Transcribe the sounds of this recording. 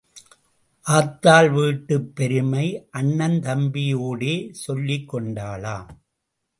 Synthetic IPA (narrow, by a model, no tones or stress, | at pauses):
ʔaːt̪ːaːlʋiːʈːɯpːɛɾɯmɐɪʔɐɳːɐnt̪ɐmbɪjoːɽeːsɔlːɪkːɔɳɖaːlaː